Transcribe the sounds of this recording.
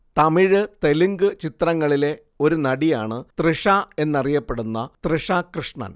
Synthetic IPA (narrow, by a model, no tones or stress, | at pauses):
t̪ɐmiɻɨt̪e̞liŋɡɨt͡ɕit̪rɐŋːɐɭile̞ | o̞ɾunɐɽija̰ːɳɨt̪rɨʂaːe̞nːɐrijɐpːe̞ɽunːɐt̪rɨʂaːkrɨʂɳɐ̰n